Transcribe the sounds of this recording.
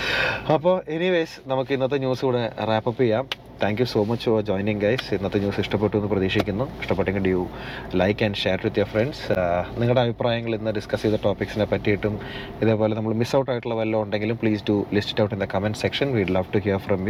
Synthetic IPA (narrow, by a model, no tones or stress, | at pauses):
ɐpːoːʔeniʋejsnɐmukːɨinːɐt̪ːeɲuːskuːɽeraːpɐpːijaːm | t̪ʰæːŋkjuso̞ːmɐt͡ɕːfod͡ʑo̞ːjniŋɡɐjsinːɐt̪ːeɲuːsiʂʈɐp̬ːeʈːuenːɨprɐðiːʂikʲːunːuiʂʈɐpːeʈːeŋɡiɭɖju | lɐjkːɐɳɖʃe̞ːɾʋid̪jofreɳɖsniŋːɐɭɽeɐbʱipraːjɐŋːɐɭinːɨɖiskɐsiʋuðɐʈoːpiksinepɐtːijiʈːum | iðe̞ːpo̞ːle̞nɐmːɐɭmisɐwʈːaːjiʈːuɭːɐʋɐlːoːuɳɖe̞ŋɡilumpɭiːstulisti̥ʈːɐwʈind̪ɐkɐmenɖsekʂɐnʋiɖlɐʋʈuɦiɾfrɐmju